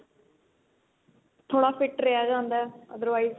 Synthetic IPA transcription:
t̪ʰoːɽaːfʰɪʈɾejaːd͡ʒãːnd̪aːəd̪əɾʋaːiːz

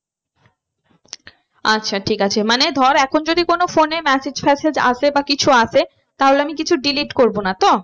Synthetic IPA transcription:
atːɕʰaʈʰikat͡ɕʰemaned̪ʱɔɾɛkʰond͡ʑod̪ikonofonemɛsed͡ʑpʰɛsed͡ʑa̰ʃebakit͡ɕʰuaʃe | t̪aɦoleamikit͡ɕʰuɖiliʈkoɾbonat̪o

